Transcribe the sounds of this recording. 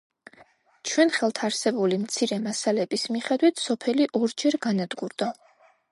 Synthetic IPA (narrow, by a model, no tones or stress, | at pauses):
t͡ʃʰwɛnχɛlˠt̪ʰaɾsɛbulimt̪sʰiɾɛmasalɛb̥ismiχɛd̪wit̪ʰsɔpʰɛliʔɔɾd͡ʒɛɾɡanad̪ɡuɾd̪̥a